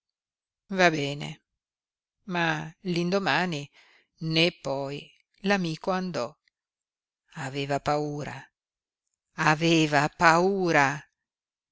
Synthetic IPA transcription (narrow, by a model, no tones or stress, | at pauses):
vabɛːnḛ | malind̪omaːni | nepːɔj | lamiːkoand̪ɔ | aveːvapauːɾa̰ | aveːvapauːɾa